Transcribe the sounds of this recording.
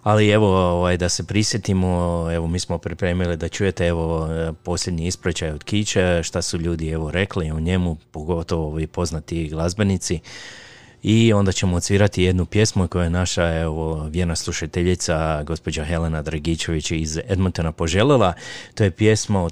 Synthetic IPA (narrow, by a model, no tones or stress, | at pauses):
alie̞ʋo̞oʋajd̪ase̞pɾisje̞t̪imoe̞ʋo̞miːsmo̞pɾipɾe̞ːmilid̪at͡ʃuje̞t̪e̞e̞ʋo̞po̞slʎe̞d̪ɲiispɾet͡ʃajo̞d̪kit͡ɕeʃt̪asuʎuːd̪ie̞ʋo̞ɾe̞kliuɲe̞mupoɡo̞t̪o̞ʋoʋipo̞znat̪iɡlˠazbe̞nit̪si | io̞nd̪at͡ɕe̞moːt̪siːɾat̪ije̞d̪nupje̞smuko̞jojenaʃae̞ʋoʋje̞ɾnaslˠuʃat̪eʎit̪saɡo̞spo̞d͡ʑaxe̞le̞nad̪ɾaɡiːt͡ɕe̞ʋit͡ɕized̪mont̪onapo̞ʒe̞lelˠat̪o̞je̞pjesma